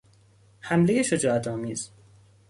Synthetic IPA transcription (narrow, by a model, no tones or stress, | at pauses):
hæmlejeʃod͡ʒɒːæt̪ʰɒːmiːz̥